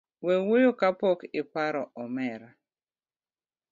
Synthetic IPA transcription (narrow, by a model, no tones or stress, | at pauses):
wewojokapɔkɪpaɾɔʔɔmɛɾa